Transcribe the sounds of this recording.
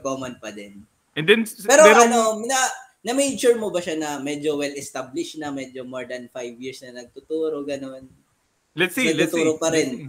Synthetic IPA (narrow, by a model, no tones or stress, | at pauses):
koːmɐnpɐd̪ɛn | ɛnd̪ɛnpɛːɾoɐnonɐ | nɐmejt͡ʃʊɹmobɐʃanɐmɛd͡ʒowɛlɛst̪ablɪʃnɐmɛd͡ʒomoɹd̪ɐnfajvjiɹsnɐnɐɡ̚t̪ʊt̪uːɾo̞ɡɐno̞n | lɛtsnɐɡ̪ʊt̪uːɾopɐɾɪn